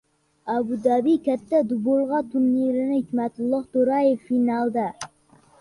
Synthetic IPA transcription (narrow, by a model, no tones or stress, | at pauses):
abʊd̪abikʲʰat̪ːad̪ʊbolˠʁɑt̪ʰʊɾniɾɪnɪhɪkʲmat̪ʊlˠːɑht̪ʊɾajefːinɑlˠd̪a